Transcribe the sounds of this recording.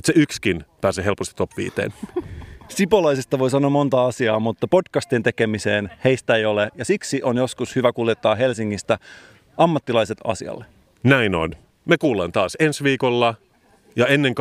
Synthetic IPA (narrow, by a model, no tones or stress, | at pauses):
ut̪seykskinpæːseɦelpost̪it̪ːopʋḭːt̪ḛːn | sipolɑjsest̪ɑʋo̞js̬ɑnːoɑmːo̞nt̪ɑɑsiɑːmut̪ːɑpo̞dkɑst̪int̪eke̞mise̞ːnhe̞jst̪æejo̞lejɑsiksiʔo̞njo̞skushyʋækuljet̪ːɑːɦe̞lsiŋːist̪æ | ɑmːɑt̪ːilɑjset̪ɑ̰sḭɑ̰lːe | næino̰n | mekuːlɑnt̪ɑːsensʋiːkolːɑ | jɑenːeŋk